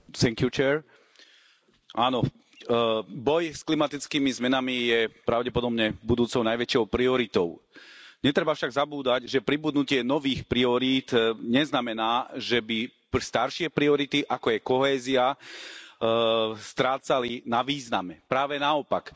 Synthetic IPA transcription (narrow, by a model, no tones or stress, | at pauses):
θɛŋkjut͡ʃɛːɾ | ʔaːnɔ | bɔjsklimat̪it͡skiːmizmɛnamijɛpɾaʊɟɛpɔd̪ɔbɲɛbud̪uːt͡sɔʊnajʋɛt͡ʃɪɔʊpɾiɔɾit̪ɔʊɲɛt̪ɾɛbafʃaɡzabuːd̪aɟʒɛpɾibud̪nucɪɛnɔʋiːxpɾiɔɾiːt̪ɲɛznamɛnaːʒɛbi | st̪aɾʃɪɛpɾiɔɾit̪iʔakɔajkɔɦɛːzia | st̪ɾaːt͡salinaʋiːznamɛpɾaːʋɛnaɔpak